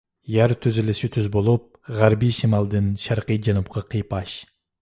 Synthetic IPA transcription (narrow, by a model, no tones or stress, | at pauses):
jɑɾt̪ʰyzylɪsyt̪ʰyzbolˠup̚ | ʁæɾbijʃimɑlˠd̪ɨnʃɑɾqɨjd͡ʒɑnup̚qʰɑqʰijpɑʃ